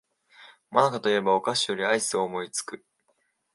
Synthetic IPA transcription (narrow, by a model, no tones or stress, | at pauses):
manakat̪o̞ie̞baokaɕijo̞ɾʲiaisɨoːmo̞it͡sɨ̥kɯ̟